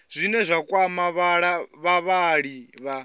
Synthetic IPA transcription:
z̥ʷinɛzʷakʼwamaβaɺaβaβaɺiβa

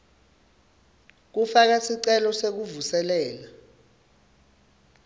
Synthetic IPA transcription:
k̬ufak̬asiǀɛlɔsek̬uvusɛlɛːla

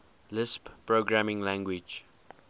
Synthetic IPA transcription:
lɪsppɹoɡɹamɪ̃ŋlæ̃ŋɡwɪd͡ʒ

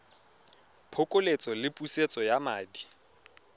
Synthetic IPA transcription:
pʰʊkʼolet͡sʼɔlɪpʼuset͡sʼɔjamaːdi

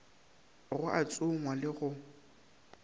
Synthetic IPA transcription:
ɣʊʔat͡sʼʊŋwalɪɣʊ

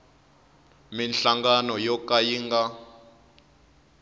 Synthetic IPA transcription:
minɬaŋɡanɔjɔkajiŋɡa

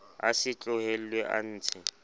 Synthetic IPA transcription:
asɪt͡ɬʼʊhel̩lweʔa̰n̩ːt͡sʰɪ

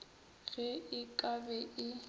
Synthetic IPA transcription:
ɣɛɪkʼabɛʔɪ

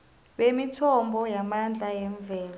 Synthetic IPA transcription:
ɓemitʰɔmbʱɔjamand͡ɮʱajɛɱb̪vɛːla

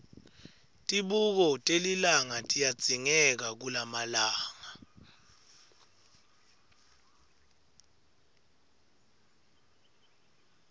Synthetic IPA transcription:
tʼiɓuk̬ɔtʼelilaŋatʼijad̥z̥ʱiŋɛk̬ak̬ulamalaːŋa

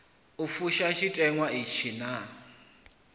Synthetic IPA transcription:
ufuʃaʃitʼɛŋwaiʃʰina

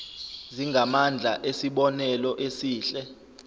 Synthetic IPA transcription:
ziŋɡʱamand͡ɮʱaʔesiɓɔnɛlɔʔesiːɬɛ

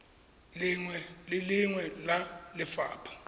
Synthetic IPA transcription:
lŋwɛlɪlɪŋwɛlalɪfa̰ːpʰɔ̥

